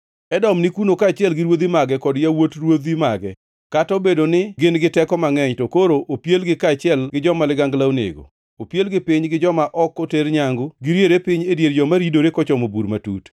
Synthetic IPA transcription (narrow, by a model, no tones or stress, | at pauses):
ɛdɔmnɪkunokaːt͡ʃɪɛlɡɪɾwod̪imaɡɛkɔdjawotrwod̪imaɡɛ | katobedonɪɡɪnɡɪtɛkɔmaŋɛɲtokoɾoʔopjelɡɪkat͡ʃɪɛlɡɪd͡ʒɔmalɪɡaŋɡlaonḛɡo̰ | opjelɡɪpɪɲɡɪd͡ʒɔmaʔɔkːoteɾɲaŋɡʊɡɪɾjeɾepɪɲedjeɾd͡ʒɔmaɾidoɾekɔt͡ʃɔmobuɾmatṵt